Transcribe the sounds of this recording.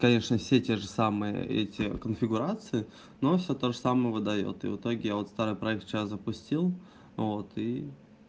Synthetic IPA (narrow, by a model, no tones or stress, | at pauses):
kɐnʲe̞ʂnəfsʲetʲe̞ʐɨsamɨjə̰ɛ̰tʲɪkənfʲɪɡʊɾat̪sɨɪ | no̞fsʲot̪oʐəsaməjəvɨd̪ɐjo̰t̪ɨ̰vɨ̰t̪o̞ɡʲɪjavo̞t̪st̪aɾɨjpɾɐɛkt̪t͡ɕaszəpʊsʲtʲilˠ | vo̞t̪ʰi